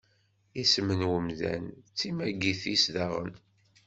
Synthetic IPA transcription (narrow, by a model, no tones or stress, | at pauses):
ismənwəmðæ̰nt͡sːimæɡiθisðɑʁə̰n